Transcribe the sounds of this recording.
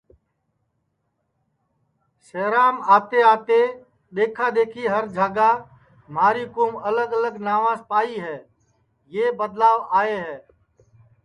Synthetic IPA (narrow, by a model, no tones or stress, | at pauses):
seːɾaːmaːt̪eːaːt̪eː | ɗ̪eːkʰaːd̪eːkʰiːɦəɾd͡ʒʱaːɡaː | m̤aːɾiːkoːmələɡələɡnaːʋãːspaːiːɦɛː | jeːbəd̪laːʋaːeːɦɛː